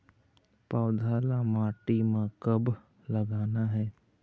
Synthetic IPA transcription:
paʊd̪ʱaːlamaːʈimãkəb | ləɡaːnaɦɛː

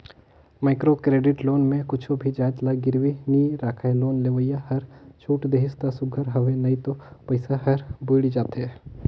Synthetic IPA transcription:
maːɪkɾokɾeːɖɪʈloːnmẽkʊt͡ʃʰobʱid͡ʒaːjt̪laɡɪɾʋiniːɾaːkʰaːjloːnleːʋəjaɦɐɾt͡ʃʰuːʈd̪eːɦɪst̪asʊɡʱəɾɦɐʋenɐĩt̪opɐɪsaɦɐɾboɪɽid͡ʒaːt̪ɦɛː

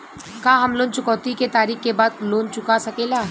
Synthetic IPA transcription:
kãːɦɐmloːnt͡ʃʊkɔːt̪iket̪aːɾiːxkebaːd̪̚loːnt͡ʃʊkasɐkeːlaː

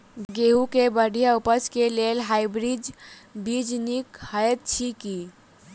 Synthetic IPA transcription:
ɡeukebəɽ̤ʱijaupət͡ʃkelelɦaibɾid͡ʒbid͡ʒnikhəet̪̚t͡ʃʰiki

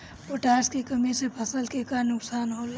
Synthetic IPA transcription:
poʈaːɾskekəmisepʰəsəlkekanʊksaːnɦol

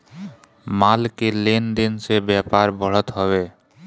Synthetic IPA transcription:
malkelend̪insebɛpaɾbʱɔɽot̪ɦɔβe

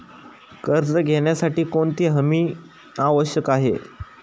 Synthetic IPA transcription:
kəɾt͡səɡʱeɳjasaʈiːkoɳt̪iːɦəmiː | aʋəɕjəkaɦḛ

